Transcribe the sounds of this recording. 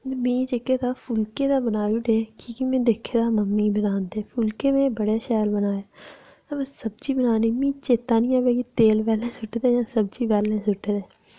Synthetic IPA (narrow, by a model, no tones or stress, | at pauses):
mĩːt͡ʃekːeːt̪aːfʰʊlkeːd̪aːbənaːjuːʈeːkikimẽːd̪eːkʰːeːd̪aːməmːiːbənaːnd̪eːfʰʊlkẽːmẽːbəɽeːʃɛːlbənaːjaː | bsəb̚d͡ʒiːbənaːniːmĩːt͡ʃeːt̪aːnĩːaːbeːkit̪eːlpɛːlẽːsʊʈəɾɛːd͡ʒãːsəb̚t͡ʃiːʋɛːlẽːsʊʈəɾɛː